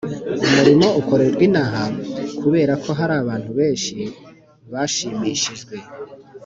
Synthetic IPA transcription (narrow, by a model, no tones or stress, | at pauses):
umuɾimo̞ʔuko̞ɾeɾɡwinaɦakʰuβe̞ːɾakʰo̞ɦaɾaːβaːn̥huβe̞ːnʃi | βaʃiːmiʃiʒɡwe̞